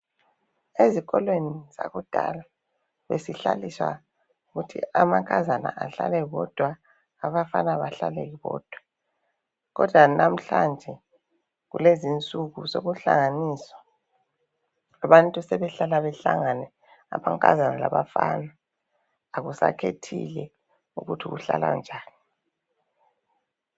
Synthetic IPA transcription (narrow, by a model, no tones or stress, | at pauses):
eziɣɔlweniz̥aɣud̥ʱa̰la | βesiɬaliswa̰ | uɣutʰḭamaŋkʼazana̰ʔaɬa̰lɛɣɔd̥ʱwaː | βafanaβaɬalɛɣiβɔ̰ːd̥ʱwa | ɣɔd̥ʱwanam̩ɬand͡ʒʱɛ | ɣṵlezint͡sʼuɣusoɣuɬaŋaniːsɔ̥ | aβantʼusɛβɛɬalaβɛɬaŋanɛ | a̰maŋkʼazanala̰βafanaː | ɣusa̰kʰetʰilɛ | ṵɣutʰiɣuɬala̰nd͡ʒʱaːnii